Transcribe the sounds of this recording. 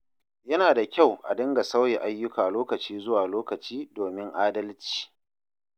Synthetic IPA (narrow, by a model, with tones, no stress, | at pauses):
jɐ˦naː˨da˨kʲa˦˨wʔa̰˨dɐ˦ŋɡa˨sɐ˦wjɛ˨ʔa˦jːʊ˦kaː˨loː˦kɐ˨t͡ʃiː˦zʊ˦waː˨loː˦kɐ˨t͡ʃiː˦doː˨mɪ˦ŋʔaː˦dɐ˦lt͡ʃi̥ː˨